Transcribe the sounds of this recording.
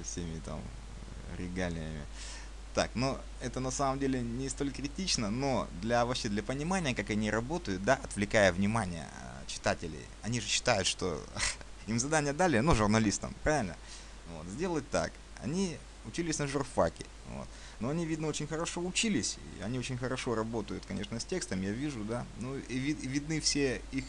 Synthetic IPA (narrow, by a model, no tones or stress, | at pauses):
səfsʲemʲɪt̪a̰m | ɾʲɪɡalʲɪ̰jəmʲɪ̰ | t̪a̰kno̞ | ɛt̪ənɐsaməmdʲelʲɪnʲɪst̪o̞lʲkɾʲɪtʲit͡ɕnəno̞d̪lʲɐvɐpɕːed̪lʲɐpənʲɪmanʲɪjəkakɐnʲiɾɐbo̞t̪əjʊt̪̚d̪aʔɐt̪vlʲɪkajəvnʲɪmanʲɪjə̰ | t͡ɕɪ̥t̪atʲɪlʲɪ̰jɐnʲiʐɨɕːɪ̥t̪ajʊt̪ʂt̪o̞̰ | imzɐd̪anʲɪjəd̪alʲɪənuʐʊrnɐlʲist̪ə̰mpɾavʲɪlʲnə̰ | vo̞̰t̪zʲdʲe̞lˠət̚ʲt̪a̰k | ɐ̰nʲi | ʊt͡ɕilʲɪsʲnəʐʊrfa̰kʲɪ | vo̰t̪ | noɐnʲivʲid̪nəot͡ɕɪnʲxəɾɐʂo̞ʊt͡ɕilʲɪsʲḭɐ̰nʲiot͡ɕɪnʲxəɾɐʂo̞ɾɐbo̞t̪əjʊt̪kɐnʲe̞ʂnəsʲtʲe̞kst̪əmjavʲiʐʊd̪anuivʲivʲɪd̪nɨfsʲeix